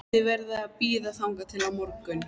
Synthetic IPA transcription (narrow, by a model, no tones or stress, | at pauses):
ɪvɛɾðɪaðpiːðaθawŋkat̪ʰɪlamɔɾkʏn